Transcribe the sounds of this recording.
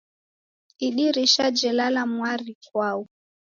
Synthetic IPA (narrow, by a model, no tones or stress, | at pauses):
iɗiɾiʃad͡ʒɛlalamwaɾikwau